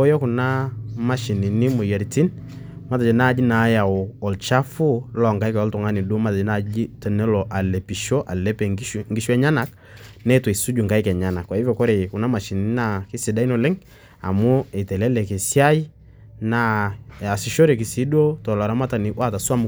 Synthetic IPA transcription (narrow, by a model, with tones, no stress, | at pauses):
o˦jo˦ku˨na˦ma˦ʃi˨ni˨ni˦mʊ˨je˨ɾti˦n | ma˦t̬a˨d͡ʒɛ˨na˦˨˦d͡ʒi˦na˨˦ja˨ɔ˨lt͡ʃa˦fu˦lɔ˨ŋka˦ɪ˦kɛ˨ɔ˦ltʊ˨ŋa˦ni˨du˦ma˦ta˨d͡ʒɛ˦na˦˨d͡ʒi˦tɛ˨nɛ˦lɔ˨ʔa˨le˨pi˨ʃo˦ʔa˨lɛ˦pɛ˨ŋ˦˨ŋɡi˦ʃu˦ɛ˦ɲa˦na˨k | nɛ˦twi˨su˦d͡ʒu˨ŋka˦jkɛ˨ɲa˦na˨kwa˨i˦vɛ˨ko˦ɾe˨ku˨na˦ma˨ʃi˨ni˨ni˦na˦˨kɪ˦si˨da˦i˦no˨lɛ˦ŋ | a̰˨mʊ˦e˨tɛ˨lɛ˦lɛ˨ke˨si˦a˦i˦ | na˦˨a˨si˨ʃo˦ɾe˨ki˨si˨˦do˦tɔ˨la˨ɾa˦ma˦ta˨ni˨wa˦˨ta˨su˦a˦m˨